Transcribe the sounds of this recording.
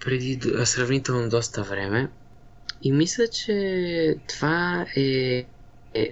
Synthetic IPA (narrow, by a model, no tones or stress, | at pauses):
pɾɛd̪isɾavnit̪ɛlˠnɔd̪ɔst̪avɾɛmɛ | imislat͡ʃɛt̪ovaɛ